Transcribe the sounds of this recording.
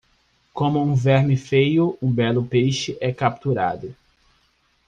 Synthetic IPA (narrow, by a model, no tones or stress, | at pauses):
kõmʊũvɛɾmɪfejʊʔũbɛlʊpejʃɪʔɛkap̚t̪uɾa̰d̪ʊ